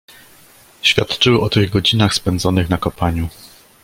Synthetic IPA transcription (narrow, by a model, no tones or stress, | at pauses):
ɕfʲjat̪t͡ʂɘwʔɔt̪ɘɣɡɔd͡ʑinaxspɛnd̪zɔnɘxnakɔpaɲu